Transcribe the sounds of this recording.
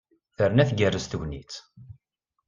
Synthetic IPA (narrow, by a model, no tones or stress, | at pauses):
θəɾnæθɡərːəsθəʝnḭt͡s